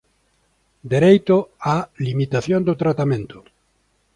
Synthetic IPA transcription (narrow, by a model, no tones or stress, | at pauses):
d̪eɾejt̪oalimit̪aθjond̪ot̪ɾat̪amẽnt̪ʊ̥